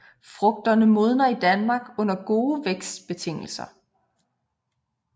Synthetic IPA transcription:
fʁɔ̽ɡ̥̚d̥ɐnəmo̝ð̞ˠnɐid̥ænmɑ̈ɡ̥ɔ̽n̰ɐɡ̥o̝ːʋeɡ̥sd̥b̥e̝t͡sʰe̝ŋ̰l̩sɐ

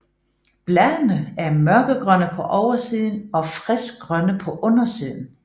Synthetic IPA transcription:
b̥læðˠnəæɐmɶɐɡ̥əɡ̥ʁɶnəpʰɒ̽ʔɒʊɐsiːð̞ˠn̩ɒ̽fʁɛsɡ̥ʁɶnəpʰɒ̽ʔɔ̽nɐsiːð̞ˠn̩

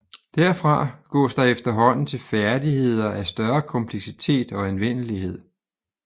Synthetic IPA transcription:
d̥æɐ̰fʁɑ̈ɡ̥ɒ̰ːsd̥ɑ̈efd̥ɐɦɒ̽n̰n̩t͡sʰe̝lfæɐd̥ihe̝ð̰ˠɐʔæsd̥ɶɐkʰɒ̽mpʰleɡ̥sit͡sʰe̝̰ːd̥ɒ̽enʋen̰əliɦe̝ð̞̰ˠ

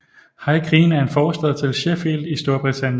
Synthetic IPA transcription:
hɑ̈ɪkʰʁiːnæɐe̝nfɒːsd̥əð̩ˠt͡sʰe̝lɕefild̥isd̥o̝ɐb̥ʁit͡sʰænjən

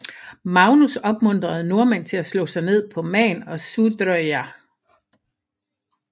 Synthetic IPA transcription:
mɑ̈ʊnusɒ̽b̥mɔ̽n̰d̥ʁɐð̞̩ˠno̝ɐmæn̰t͡sʰe̝læslɔ̰ːsɑ̈ɪne̝ð̰ˠpʰɒ̽mɛ̰ːnɒ̽sud̥øæ

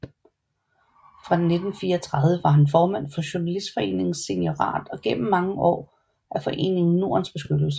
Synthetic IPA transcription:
fʁɑ̈d̥enːe̝d̥n̩fiːɐt͡sʰʁɑ̈ðˠʋəʋɑ̈ɦænfɒːmæn̰fɒ̽ɕonælisd̥fɒ̽e̝̰ːne̝ŋn̩se̝njo̝ʁɑ̰̈ːd̥ɒ̽ɡ̥en̰m̩mɑ̈ŋəʔɒ̰ː | ʔæfɒ̽ʔe̝̰ːne̝ŋn̩no̝ɐnsb̥e̝sɡ̥ød̥l̩s̬ə̥

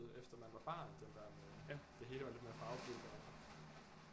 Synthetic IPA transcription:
ð̩ˠefd̥ɐmænʋɑ̈b̥ɑ̈ːnd̥end̥æɐ̰mejæd̥e̝ɦe̝ːləʋɑ̈le̝d̥meɐfɑ̈ʊb̥ʰyld̥æn

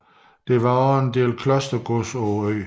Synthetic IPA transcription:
d̥e̝ʋɑ̈ɒend̥e̝̰ːlkʰlɒsd̥ɐɡ̥osɒøɪ

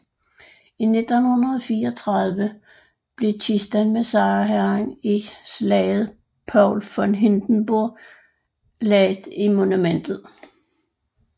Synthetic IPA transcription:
ine̝d̥onhunɐðˠɒfiːɒt͡sʰʁɑðˠʋə | b̥le̝t͡sʰisd̥ænmesɑ̈ːɦæeŋislɛ̰ːɪð̩ˠ | pʰɑʊlfɒ̽nɦind̥n̩b̥oɐ | lɛɪd̥imo̝numen̰d̥ð̩ˠ

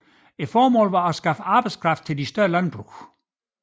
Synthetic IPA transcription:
e̝d̥fɒːmɔ̰ːlʋɑ̈æsɡ̥ɑ̈fəɑ̈ːb̥ɑ̈ɪd̥skʰʁɑ̈fd̥t͡sʰe̝lisd̥ɶɐlænb̥ʁṵ

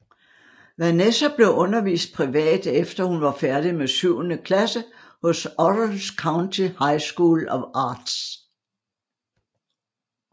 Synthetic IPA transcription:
ʋænesɐb̥le̝ʔɔ̽nɐʋḭːsd̥̚pʰʁiʋɛ̰ːd̥efd̥ɐhunʋɑ̈fæɐd̥imesyʊ̰nəkʰlæsə | hɔ̽sɒdəlskʰɑ̈ʊnt͡sʰihɑ̈ɪsɡ̥uːlɒɑ̈ːd̥s

